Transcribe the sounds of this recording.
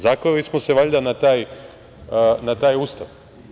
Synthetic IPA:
zaːkolismoseʋaʎd̪anat̪aːj | nat̪aːjuːst̪aʋ

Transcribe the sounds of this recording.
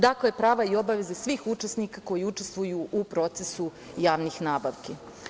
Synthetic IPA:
d̪aklejepɾaːʋaio̞baʋe̞zesʋiːxut͡ʃesnikako̞jiut͡ʃest̪ʋujuʔupɾo̞t̪sesu | jaːʋnixnaːbaʋke

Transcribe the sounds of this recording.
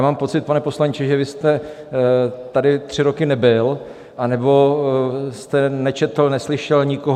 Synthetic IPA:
maːmpo̞t͡sɪt̪̚panɛpo̞slaɲt͡ʃɛʒɛvɪst̪ɛ | t̪adɪt̪r̥ɪɾokɪnɛbɪl | ʔanɛbo̞ | st̪ɛnɛt͡ʃɛt̪l̩nɛslɪʃɛlɲɪkoɦ

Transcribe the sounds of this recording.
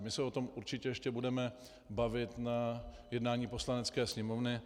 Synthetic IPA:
mɪsɛo̞t̪o̞mʔuɾt͡ʃɪcɛjɛʃcɛbudɛmɛ | bavɪt̪najɛdnaːɲiːpo̞slanɛt͡skɛːsɲɛmo̞vnɪ

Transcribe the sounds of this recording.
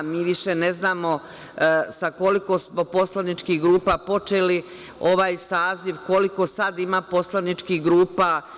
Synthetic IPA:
miːʋiʃeneznaːmo̞ | sako̞liko̞smo̞po̞slanit͡ʃkihɡɾuːpapo̞t͡ʃeli | o̞ʋaːjsaːziʋko̞liko̞sad̪imapo̞slˠanit͡ʃkiɡɾuːpa

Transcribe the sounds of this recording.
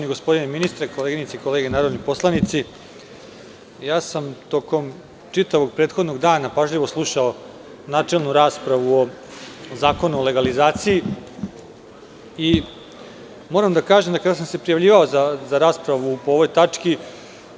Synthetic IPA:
niɡo̞spo̞d̪ineminist̪ɾekoleɡinit̪seiko̞leɡenaːɾod̪nopo̞slˠanit̪si | jaːsamt̪o̞ko̞m | t͡ʂit̪aʋo̞ɡ̚pɾeːt̪xo̞d̪no̞ɡd̪aːnapaʒʎiʋo̞slˠuʃao | naːt͡ʂe̞lˠnuɾaːspɾaʋuo̞zaːko̞nuole̞ɡalizaːt̪siji | i | mo̞ɾamd̪akaːʒemd̪akad̪asamse̞pɾijaʋʎiːʋao̞zazaɾaːspɾaʋupooʋojt̪at͡ʂki

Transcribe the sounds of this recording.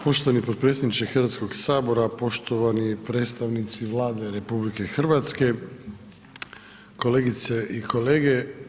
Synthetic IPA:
po̞ʃt̪oʋanipo̞d̪̚pɾe̞tsʲed̪nit͡ʃexr̩ʋat̪sko̞ɡsaːbo̞ɾapo̞ʃt̪o̞ʋanipɾe̞ːt̪st̪aʋnit̪siʋlˠaːd̪eɾe̞publike̞xr̩ʋat̪ske̞ | ko̞leːɡit̪seʔikʰo̞leːɡe̞

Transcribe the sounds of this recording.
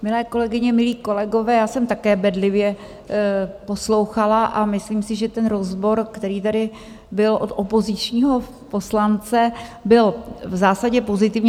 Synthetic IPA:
mɪlɛːko̞lɛɡɪɲɛmɪliːko̞lɛɡo̞vɛːjaːsɛmt̪akɛːbɛdlɪvjɛ | po̞slowxalaʔamɪsliːmsɪʒɛt̪ɛnɾozbo̞ɾkt̪ɛɾiːt̪adɪ | bɪlʔo̞t̪ʔopo̞zɪt͡ʃɲiːɦo̞ | po̞slant͡sɛbɪlvzaːsaɟɛpo̞zɪt̪ɪvɲɛ

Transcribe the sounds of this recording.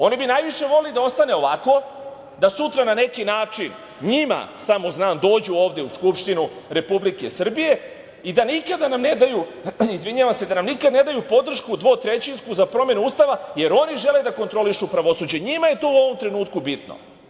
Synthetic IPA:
o̞nibinajʋiʃe̞ʋo̞lilid̪ao̞st̪ane̞o̞ʋako̞ | d̪asut̪ɾanane̞kinaːt͡ʂin | ɲima̰samo̞znaːmd̪o̞ːd͡ʑuo̞ːʋd̪e̞uskupʂt̪inuɾe̞publike̞sr̩bije̞ | id̪anikad̪anamne̞d̪ajuizʋiɲaʋamse̞d̪anamnikad̪ne̞d̪ajupo̞d̪r̩ʃkud̪ʋo̞ːt̪ɾe̞t͡ɕinskuzapɾo̞me̞nuuːst̪aʋaje̞ɾo̞niʒe̞le̞d̪ako̞nt̪ɾo̞liʃupɾaʋo̞suːd͡ʑe̞ɲimaje̞t̪oːuo̞ʋo̞mt̪ɾe̞nuːt̪kubit̪no̰

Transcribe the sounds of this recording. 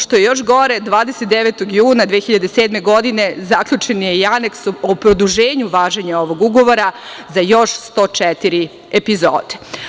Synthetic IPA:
ʃt̪o̞jejo̞ʃ̬ɡo̞ɾe̞d̪ʋaːd̪eset̪̚d̪eʋet̪oɡjuːnad̪ʋexiʎad̪eseːd̪me̞ɡo̞d̪ine̞zakʎut͡ʃenjejane̞ksopɾod̪uʒeːɲuʋaːʒeɲao̞ʋo̞ɡuɡo̞ʋo̞ɾa | zajo̞ʃst̪o̞ːt͡ʃɛt̪iɾi | epizo̰ːd̪e̥

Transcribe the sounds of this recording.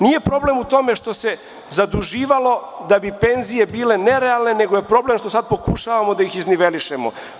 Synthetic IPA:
nije̞pɾo̞ble̞mut̪o̞me̞ʃt̪o̞se̞ | zad̪uʒiːʋalo̞d̪abipe̞nzije̞biːle̞ne̞ɾealˠne̞ne̞ɡoje̞pɾo̞ble̞mʃt̪o̞sad̪̚po̞kuʃaʋamod̪ajixizniʋe̞liʃemo̰

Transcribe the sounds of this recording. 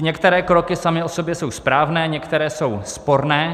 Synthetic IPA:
ɲɛkt̪ɛɾɛːkɾo̞kɪsamɪʔoso̞bjɛso̞wspɾaːvnɛːɲɛkt̪ɛɾɛːso̞wspo̞ɾnɛː

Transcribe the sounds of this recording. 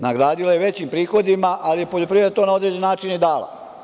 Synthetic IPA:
naɡɾaːd̪ilajeʋe̞t͡ɕimpɾiːxo̞d̪imaʔalijepoʎopɾiʋɾed̪at̪onao̞d̪ɾe̞ːd͡ʑennaːt͡ʃinid̪aːla̰

